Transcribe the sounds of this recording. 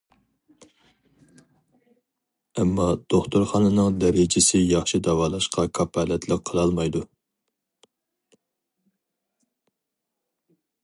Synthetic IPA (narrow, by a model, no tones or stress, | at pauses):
ɛmːɑd̪̥oχt̪uɾχɑːnɨnɨŋd̪ɛɾɪd͡ʒɪsɪjɑχʃid̪ɑwɑːlˠɑʃqʰɑkʰɑpʰɑːlɛt̪ʰləqʰːəlˠɑlˠmɑjd̪u